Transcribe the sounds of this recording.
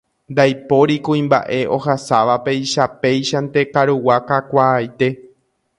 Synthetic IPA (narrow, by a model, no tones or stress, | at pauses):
nd̪ajpo̞ɾikũĩmba̰ʔe̞ʔo̞hasaʋape̞jiʃape̞jʃant̪e̞kaɾuwakakʷajt̪e̞